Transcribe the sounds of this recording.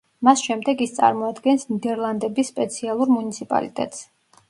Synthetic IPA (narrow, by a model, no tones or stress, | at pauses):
masʃɛmd̪ɛɡist̪sʼa̰ɾmɔad̪ɡɛnsnid̪ɛɾlˠand̪ɛbisːpʼɛt̪sʰialˠuɾmunit̪sʰipʼa̰lḭt̪ʼɛ̰t̪ʼs